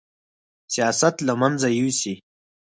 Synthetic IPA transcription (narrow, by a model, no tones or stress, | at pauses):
sijasat̪lamanzajuwsi